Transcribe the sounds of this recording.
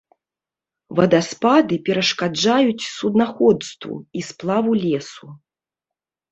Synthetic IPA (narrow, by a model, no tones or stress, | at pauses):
vɐd̪aspad̪ɨpʲɛɾɐʂkad͡ʐajut͡sʲsud̪naxɔt̪st̪vṵisplˠavulʲɛsu